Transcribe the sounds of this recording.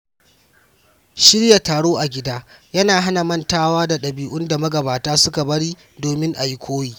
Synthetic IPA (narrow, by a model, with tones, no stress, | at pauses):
ʃɪ˦ɽja˨taː˨ɽoː˦ʔa˨ɡʲɪ˦daː˦jɐ˦naː˨ɦa˦na˨mɐ˦ntaː˦waː˦da˨ɗɐ˨biː˨ʔʊ˦nda˨mɐ˦ɡɐ˨baː˨taː˦sʊ˦ka˨bɐ˦ɽiː˦ | doː˨mɪ˦ŋʔa˨ji˦kʷʰoː˦jiː˦